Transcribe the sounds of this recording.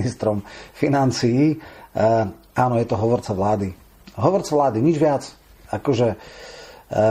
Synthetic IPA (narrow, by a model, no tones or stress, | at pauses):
nist̪ɾɔmfinant͡siji | aːnɔjɛt̪ɔɦɔʋɔɾt͡saʋlaːd̪i | ɦɔʋɔɾt͡saʋlaːd̪iɲid͡ʒʋɪat͡s | akɔʒɛ